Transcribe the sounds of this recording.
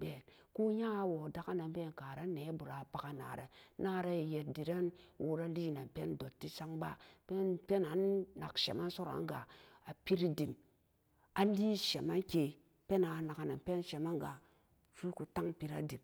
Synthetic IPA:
be˨nku˦ɲaː˦˨wo˨da˦ka˦na˨m˦be˦˨n˨ka˨ɾa˦ne˨˦bu˨ɾa˨pa˦ka˦na̰ː˨ɾe˨na˦ɾe˦i˨je˨t̚di˨ɾe˦nwʔu˦ɾa˦li˦˨na˨pe˦ndo˨tːi˦sa˦ŋba˦pe˦npe˦na˨nna˨kʃḛ˨ma˦nso˦ɾa̰˨˦ŋ˦ɡa̰˨a˨pi˦ɾi˦di˨m | a˦li˦ʃe˨ma˦nke˨ | pe˦na˨na˨ka˨na˨npe˦nʃe˨ma˦nɡa˨ | su˦ku˨ta˦ŋpi˨ɾa̰˦di˨m

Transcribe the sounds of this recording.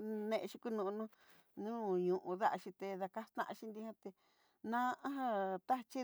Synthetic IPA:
nẽ˧ʃi˧ku˦˧nũ˧nũ˦ | nũː˦ɲũ˨ʔũ˧ða˦ʔa˧ʃĩ˧t̪e˧ða˧ka˦st̪ã̰˦˧ʔã˧ʃi˧nd̪i˧hã˦t̪e˧ | nã˦˧ã˦ɦã˧t̪a˦˧t͡ʃi˦

